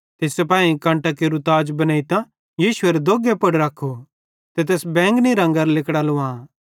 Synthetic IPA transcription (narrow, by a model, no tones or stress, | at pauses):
t̪esepãːĩkãːɳʈakeɾʊt̪aːd͡ʒbɐnaːit̪ã | jiːsʊeɾed̪oːɡepɐɽɾɐkʰːo | t̪et̪̬ɛːsbɛ̃ːŋɡniɾɐ̃ŋɡəɾlɪkɽaloã